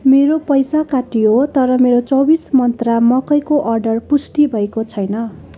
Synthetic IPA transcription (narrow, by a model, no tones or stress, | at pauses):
meɾopʌjsakaʈiɦot̪ʌɾʌmeɾot͡sʌwbismʌnt̪ramʌkʌjkoʔʌrɖʌrpusʈibʱʌekot͡sʰʌjnʌ